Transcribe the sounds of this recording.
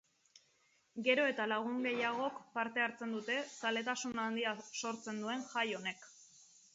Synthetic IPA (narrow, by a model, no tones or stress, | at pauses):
ɡe̞ɾo̞e̞t̪alaɣ̞uŋɡe̞jaɣ̞o̞kpaɾt̪e̞aɾt͡se̞nd̪ut̪e̞sale̞t̪asunand̪iaso̞ɾt͡se̞nd̪ue̞nʝajo̞ne̞k